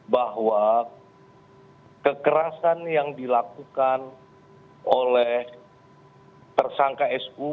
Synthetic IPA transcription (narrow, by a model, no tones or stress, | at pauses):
baɦwa | kəkəɾasanjaŋdilakukan | ʔolɛh | t̪ərsaŋkaɛsu